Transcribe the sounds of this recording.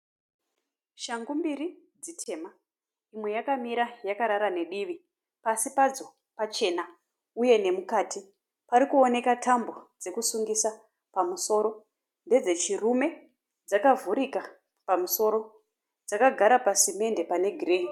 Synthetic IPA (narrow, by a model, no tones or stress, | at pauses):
ʃaŋɡumbiri | d͡zitʰe̞ːma | imwe̞jakamiɾajakaɾaɾane̞ɗiʋi | pasipad͡zo̞ | pat͡ʃe̞na | uje̞ne̞mukaːti | paɾikuo̞ne̞katʰambo̞d͡ze̞kusuŋɡisa | pamuso̞ːɾo̞ | nde̞d͡ze̞t͡ʃirume̞ | d͡zakavuɾika | pamuso̞ɾo̞ | d͡zakaɡʱaɾapasime̞nde̞pane̞ɡʱireɦi